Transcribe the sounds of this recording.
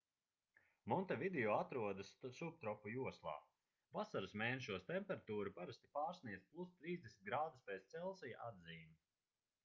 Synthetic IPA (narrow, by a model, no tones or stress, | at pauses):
mɔnt̪avid̪eɔat̪ɾuɔd̪assup̚t̪ɾɔpːujuɔslˠa̰ː | vasaɾusmʲɛːjnʲʃuɔst̪ɛmpɛɾat̪uːɾupaɾast̪i̥paːɾsniɛzt̪̚ʲplˠust̪ɾiːzd̪ʲesnit̪ɡɾaːd̪uspʲɛt̪st̪sɛlˠsijaʔad̪ziːmi